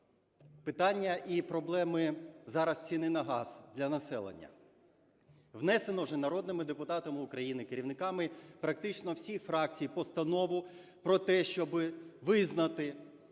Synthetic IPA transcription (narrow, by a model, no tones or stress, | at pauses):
pɪt̪ɑnʲːɐʔipɾɔblˠɛmɪzɑɾɐst͡sʲinɪnɐɦɑz̥d̪lʲɐnɐsɛ̰lˠḛnʲːɐ̰ | ʋnɛsenɔʒɛnɐɾɔd̪nɪmɪd̪epʊt̪ɑt̪ɐmɪʊkɾɐjinɪkeɾʲiʋnɪkɑmɪpɾɐk̚t̪ɪt͡ʃnɔwsʲixfɾɑk̚t͡sʲijpɔst̪ɐnɔʋʊ | pɾɔt̪ɛʃt͡ʃɔbɪʋɪznɐt̪ɪ